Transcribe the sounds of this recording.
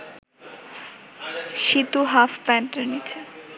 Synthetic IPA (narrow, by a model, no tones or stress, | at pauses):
ʃit̪uɦafpɛnʈeɾnit͡ɕʰe